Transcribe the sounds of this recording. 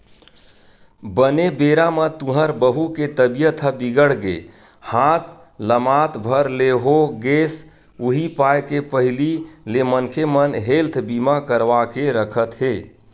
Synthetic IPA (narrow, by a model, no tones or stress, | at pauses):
bənebeɾamə̃t̪ũɦəɾbəɦuket̪əbijət̪ʰəbiɡəɽɡḛ | hat̪ʰ | ləmat̪bʱəɾleɦoɡes | uɦipajkepəɦililemənkʰemənɦelt̪ʰbimakəɾʋakeɾəkʰət̪ɦe